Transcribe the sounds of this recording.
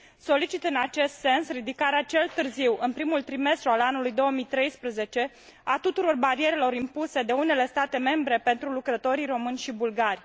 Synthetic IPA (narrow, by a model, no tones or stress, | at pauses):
so̞lit͡ʃit̪ɨnat͡ʃe̞st̪se̞nsrid̪ikaɾeat͡ʃe̞lt̪ɨrziwɨnpɾimult̪ɾime̞st̪ɾualanulujd̪o̞wəmijt̪ɾe̞jspɾəze̞t͡ʃe̞ | at̪ut̪uɾo̞rbaɾie̞ɾelo̞ɾimpuse̞d̪e̞une̞le̞st̪at̪e̞me̞mbɾe̞pe̞nt̪ɾulukɾət̪o̞ɾiro̞mɨnʲʃibulɡarʲ